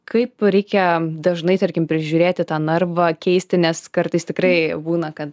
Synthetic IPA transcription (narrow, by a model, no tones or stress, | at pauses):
kɐɪpɾʲɛɪkʲɛd̪ɐʒnɐɪt̪ɐɾʲkʲɪmpʲɾʲɪʒʲuːɾʲeːt̪ʲɪt̪ɑːnɐrʋɐkʲɛɪsʲt̪ʲɪnʲɛskɐrt̪ɐɪst̪ʲɪkrɐɪbuːnɐkɐt̪